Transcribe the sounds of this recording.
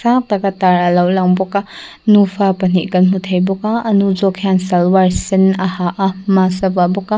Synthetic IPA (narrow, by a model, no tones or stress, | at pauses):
sak̚tɐɡɐtaɾɐlawlaŋbɔka | nupʰapɐniʔkɐnmutʰɐjbɔkaɐnud͡ʒɔkʰhansalwaɾsinɐhaʔɐmasɐbabɔka